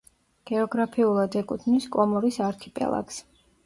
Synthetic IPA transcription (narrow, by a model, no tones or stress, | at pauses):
ɡ̥ɛɔɡɾapʰiulˠad̪ɛkʼut̪ʰniskʼɔmɔɾisaɾkʰi̥pʼɛ̰lˠa̰ks